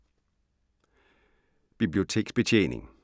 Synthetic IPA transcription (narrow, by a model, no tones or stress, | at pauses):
b̥ib̥lio̝t͡sʰe̝̰ːɡ̥sb̥et͡ɕʰḛːnḛŋ